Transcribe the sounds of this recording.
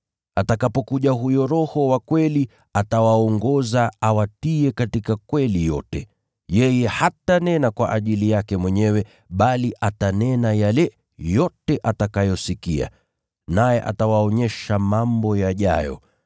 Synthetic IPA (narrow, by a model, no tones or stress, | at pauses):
atakapɔkuʄaɦujɔɾɔhɔwakwɛli | atawaɔŋɡɔzaawatiɛkatikakwɛlijɔtɛ | jɛjɛhatanɛnakwaʔaʄilijakɛmwɛɲɛwɛ | ɓaliʔatanɛnajalɛ | jɔtɛʔatakajɔsikia̰ | najɛʔa̰tawaɔɲɛʃamambɔjaʄa̰jɔ̰